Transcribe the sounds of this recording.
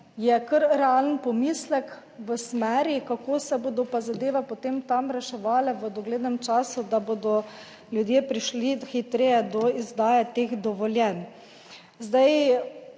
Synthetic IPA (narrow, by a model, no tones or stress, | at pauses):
jɛkəɾɾɛalənpɔmislɛk | ʋəsmɛɾjikakoːsɛboːd̪ɔpazad̪eːʋɛpɔt̪emt̪amɾɛʃɛʋaːlɛʋəd̪ɔɡleːd̪nɛmt͡ʃaːsud̪aboːd̪ɔ | ljud̪jeːpɾiʃlixit̪ɾeːjɛd̪ɔizd̪aːjɛt̪exd̪ɔʋɔljɛn | zd̪aj